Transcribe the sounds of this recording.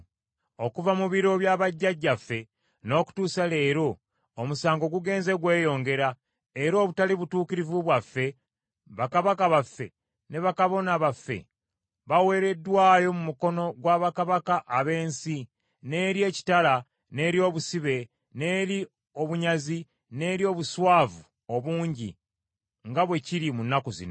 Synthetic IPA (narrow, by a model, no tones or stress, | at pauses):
o̞kuvamuβiɾo̞βjaːβaɟːaɟːafːe̞ | no̞ːku̥tuːsale̞ːɾo̞ː | musaːŋɡo̞ɡuɡe̞ːnze̞ɡwe̞ːjo̞ːŋɡe̞ɾa | eɾo̞ːβutaliβutuːkiɾivuβwafːe̞ | βakaβakaβafːe̞ | ne̞βakaβo̞naβafːe̞̰ | βawe̞ːɾe̞dːwaːjo̞mumuko̞no̞ɡwaːβakaβakaʔaβe̞ːnsi | ne̞ːɾje̞ːci̥tala | ne̞ːɾjo̞ːβusiβe̞ | ne̞ːɾi | o̞βuɲazi | ne̞ːɾjo̞ːβuswaːvu | o̞βuːɲɟḭ | ŋɡaβwe̞ciɾimunːakozḭno